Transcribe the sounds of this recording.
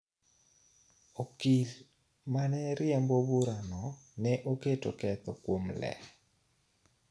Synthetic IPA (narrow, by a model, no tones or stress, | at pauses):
okil | manɛɾɪɛmbobuɾanɔnɛʔoketo̰kɛt̪ɔkwomlɛ̰